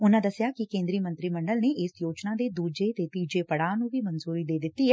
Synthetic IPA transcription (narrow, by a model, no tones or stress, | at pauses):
ʊnãːd̪əsɪjaːkɪkẽːnd̪ɾiːmə̃nt̪ɾiːməɳɖəlneːʔɪsjoːt͡ʃnãːd̪eːd̪uːd͡ʒeːt̪eːt̪iːd͡ʒeːpəɽaːnũːʋiːmənzuːɾiːd̪eːd̪ɪt̪ːiːɦɛː